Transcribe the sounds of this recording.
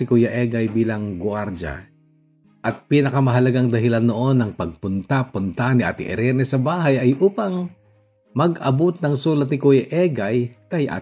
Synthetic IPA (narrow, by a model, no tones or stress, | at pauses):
ɪkujɐʔɛɡɐjbiːlɐŋɡwaɾd͡ʒa̰ | ʔɐt̪̚piːnɐkɐmɐɦɐlɐɡaŋd̪ɐɦɪlanːoʔo̞nːɐŋpɐɡ̚pʊnt̪apʊnt̪anɪʔa̰ːt̪ɪ̰ʔɛ̰ɾɛnɛsɐbaːɦɐjʔɐjʔuːpɐŋ | mɐɡɐbʊt̪̚nɐŋsuːlɐt̪nɪkujɐʔɛɡajkɐjʔa̰